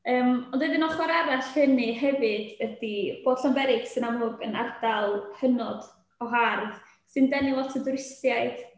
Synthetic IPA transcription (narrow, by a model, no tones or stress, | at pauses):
əːmɔndeɨdɪnɔχwaɾaɾaɬhənɨɦɛvɨdədib̥oːd̥ɬɔnbɛɾɪɡsɨnamʊɡəna̰rd̥alˠhənɔd | ɔɦarð | sɨndɛniwɔtʰədʊɾɪsjaɨjd̥